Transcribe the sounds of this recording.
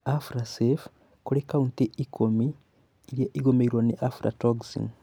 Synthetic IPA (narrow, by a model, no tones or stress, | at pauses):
afɾasef | kuɾekaunteikʰomiː | ɾjeʔiɡomeiɾwaniʔafuɾa̰toɡsḭn